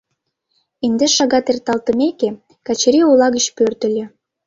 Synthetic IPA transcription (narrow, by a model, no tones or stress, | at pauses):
end̪eʃɑɣɑt̪ert̪ɑlt̪ə̆meke | kɑt͡ɕeɾiolɑɣət͡ɕpørt̪ə̆lʲĕ